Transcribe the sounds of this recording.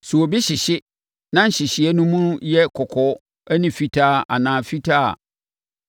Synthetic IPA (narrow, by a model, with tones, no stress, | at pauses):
su˨o˨bi˦ɕɪ˨ɕɪ˦ | nã˦n̩˨ɕɪ˨ɕɪ˨˦ɛ˦nũ˦mũ˦jɛ˦kʰɔ˨kʰɔ˦ | æ˦nĩ˨fi˦tʰa˦˨a̰˨nãː˨fi˦tʰa˦a̰˨